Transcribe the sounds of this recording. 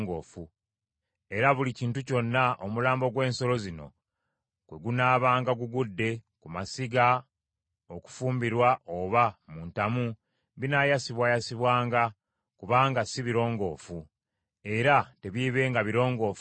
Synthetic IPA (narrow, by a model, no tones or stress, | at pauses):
ŋɡo̰ːfu | e̞ɾaβuliciːntuco̞nːaʔomulaːmbo̞ɡwe̞ːnso̞lo̞zino̞̰ | kwe̞ɡunaːβaːŋɡaɡuɡudːe̞kumasiɡa | o̞ku̥fuːmbiɾwao̞βamuntamu | βinajasiβwajasiβwaːŋɡa | kuβaːŋɡasiβiɾo̞ːŋɡo̞ːfu | e̞ɾate̞βiβe̞ːŋɡaβiɾo̞ːŋɡo̞ːf